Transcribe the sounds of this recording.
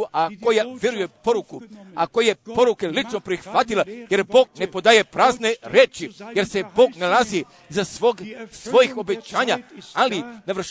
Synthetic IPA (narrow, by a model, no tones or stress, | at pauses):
uʔako̞jaʋje̞ɾuje̞po̞ɾukuakojje̞po̞ɾuke̞lit͡ʃno̞pɾixʋat̪ilaje̞ɾbo̞ːɡ̚ne̞po̞d̪aːje̞pɾaːzne̞ɾeːt͡ʃije̞ɾse̞bo̞ːɡnalazi | zasoɡsʋo̞jixo̞be̞t͡ɕaːɲaalinaʋr̩ʃ